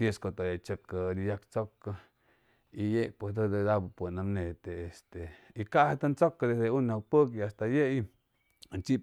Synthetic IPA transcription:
jeskot̪ojat͡ʃep̚kaɾijakt͡soka | ijepwesd̪od̪ed̪abpwenamnet̪eːst̪eikahat̪ant͡sokad̪ed̪eunok̚pək̬iast̪ajei | nt͡ʃip

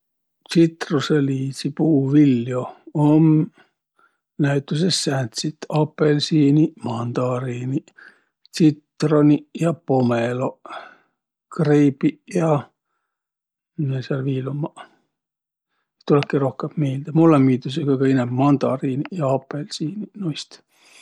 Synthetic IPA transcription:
t͡sit̪ruseliːsipuːʋilːjoom | næyt̪ːysessænt̪sit̪ːɑpːelsiːnimɑnt̪ɑːriːni | t͡sit̪ːronijɑpomelo | kriːpijɑ | mesɑrʋiːlomːɑ | t̪ːolekːerohkɑt̪meilt̪æmulːɑmːiːt̪ːysekɑikɑinæmmɑnt̪ɑ̰ːriːnijɑɑpːelsiːninoist̪

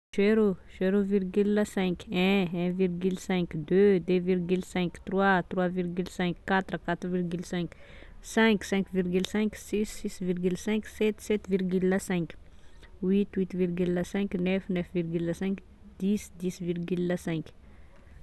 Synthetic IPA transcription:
ʒeɾoʃeɾoviɾɡylːasɛ̃kɛ̃ɛ̃viɾɡylsɛ̃kd̪ød̪øviɾɡylsɛ̃kt̪ɾwat̪ɾwaviɾɡylsɛ̃kːat̪ɾkat̪ɾviɾɡylsɛ̃ksɛ̃ksɛ̃kviɾɡylsɛ̃ksisisviɾɡylsɛ̃ksɛt̪sɛt̪viɾɡylːasɛ̃k | wit̪wit̪viɾɡylːasɛ̃knɛfnɛfviɾɡylasɛ̃k | d̪̥isd̪isvirɡylːasɛ̃k

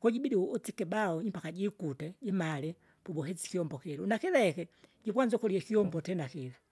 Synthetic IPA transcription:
kɔɟibidiɔt͡sikɛbaɔimpakaɟikutɛd͡ʒɛmalɛ | pubɔɦɛt͡si̥kiɔmbɔkɛɾunakilaɛkɛɟipwand͡ʒɔkɔliɛkiɔmbɔtɛnakila

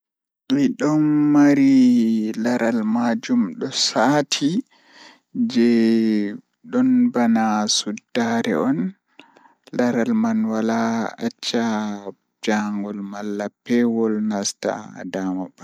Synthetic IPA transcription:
ʔiɗɔnːaɾilaɾʔalmad͡ʒumɗɔsatʰi | d͡ʒɛ | ɗɔnbanasudːaɾɛ̰ɔn | laɾalmanwalaat͡ʃːa | d͡ʒaŋɡɔlmalːapːɛwɔlnasta̰damaba

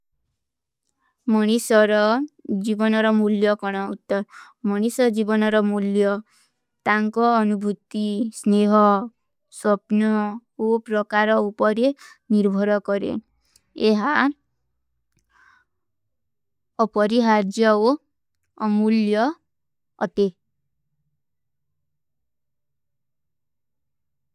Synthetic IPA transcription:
mɔɽ̃isɔɾɔd͡ʒibɔnɔɾɔmuljɔkɔɽ̃ɔut̪ːɔɾ | mɔɽ̃isɔd͡ʒibɔnɔɾɔmuljɔ | t̪aŋkɔːnubʱut̪isneɦɔ | sɔpnɔopɾɔkaɾɔupɔɾeniɾbʱɔɾɔkɔɾḛ | eɦa | ɔpɔɾiɦaɾd͡ʒjɔoː | muljɔ | ɔ̰t̪e

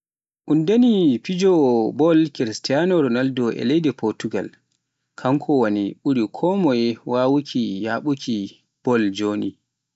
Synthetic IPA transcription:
ʔundenipid͡ʒɔbɔlkiɾistijanɔɾɔnaldɔʔɛ̰lejdɛpɔɾtuɡa̰l | kʰaŋkʰɔwaniɓuɾikʰɔmɔjwawukʰijaɓukʰi | b̥ɔld͡ʒonḭ

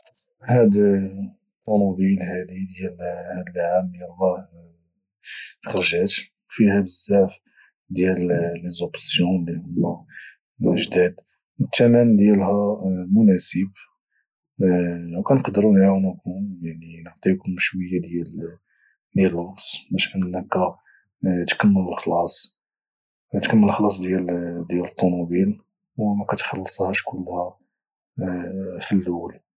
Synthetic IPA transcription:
hæd̪ | t̪ˤːɑnubilhæd̪id̪jælhæd̪əlʕamjælˤːɑh | xɑɾʒæt̪ | fihæbəsæf | d̪jællezobsjulihʊmːæ | əʒd̪æd̪ | wət̪ːæmænd̪jælhæmʊnæsəb | wkænqd̪əɾunʕawnkʊmjaʕninəʕt̪ˤikʊmʃwəjːad̪jæl | d̪jæləlɑqsˤbæʃʔənːənːækːæ | t̪kəmːələlxlɑsˤ | t̪kəmːəlxlɑs̬ˤd̪jæld̪jælət̪ˤːonubil | wmækæt̪xɑlːəsˤhæʃkʊlːhæ | filːul

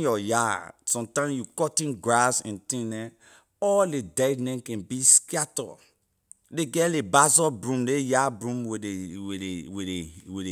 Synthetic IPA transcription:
jɔjasɔ̃mtãmjukɔtĩnɡɹasɛ̰̃ntĩnɛ̃ | ɔlledɛdnɛ̃nkɛ̃nbiskiatɔ̰ | leɡɛlebazɔbɹũmlejabɹũmweweeweewee

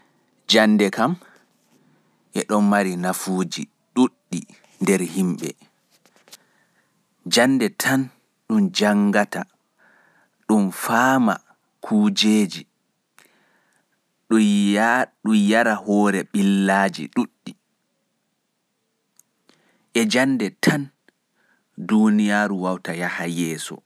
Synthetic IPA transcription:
d͡ʒanːdɛkam | ʔɛ̰ɗɔnmaɾinafuːd͡ʒi | ɗuɗːi | ndɛɾhimɓɛ̰ | d͡ʒandɛtʰan | ɗund͡ʒaŋɡata | ɗumfaːma̰ | kʰuːd͡ʒeːd͡ʒi | ɗu | ɗujaɾahɔːɾɛɓilːaːd͡ʒḭɗuɗːi | ʔɛd͡ʒanːdɛtʰan | dunijaːɾuwawtajahajɛːsɔ̰

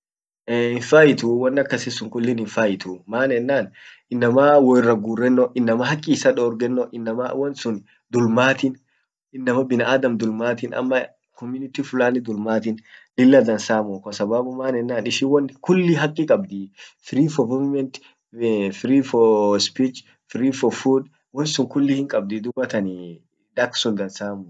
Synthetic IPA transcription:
ɪɱfaːjɪt̪ʊwɐnːɐkːɐsɪsʊŋkʊlːɪnɪɱfaːjɪt̪ʰʊmaːnɛnːaːn | ɪnːɐmawɔɪrːɐɡuːrːɛnːɔʔɪnːɐmɐhɐkʼːɪsɐᶑɔːɾɡɛnːɔʔɪnːɐma̰wɔnsʊn | d̪ʊlmaːt̪ɪn | ɪnːɐmɐbɪnɐaːd̪ɐmd̪ʊlmaːt̪ɪnɐ̰mːɐ | kɔmjʊnɪt̪ifʊlaːnːɪd̪ʊlmaːt̪ɪnlɪlːɐd̪ɐnsaːmʊkɔsɐbaːbʊmaːnɛnːaːnɪʃiwɐnkʊlːiɦɐkʼːɪkʼɐbd̪ifɪɾiːfɔmʊvmɛnt̪ | fɪɾiːfɔspiːt͡ʃ | fɪɾiːfɔfuːᶑ | wɐnsʊŋkʊlːihɪŋkʼɐb̚d̪ɪd̪ʊbɐt̪ɐni | d̪ɐksʊnd̪ɐnsaːmʊ

